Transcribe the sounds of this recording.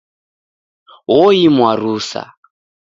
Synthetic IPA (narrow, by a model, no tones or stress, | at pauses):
ɦɔimwaɾusa̰